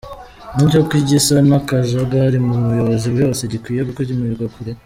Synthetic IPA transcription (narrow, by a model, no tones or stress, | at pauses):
ninokkwiɟisanakazaɡaɾimuβujo̞βozibjo̞ːse̞ɟikwiːjeβukozimujuɡakuɾe